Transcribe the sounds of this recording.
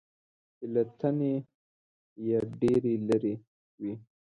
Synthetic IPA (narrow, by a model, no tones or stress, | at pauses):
ɪlat̪ane | jaɖeɾeləɾe | wi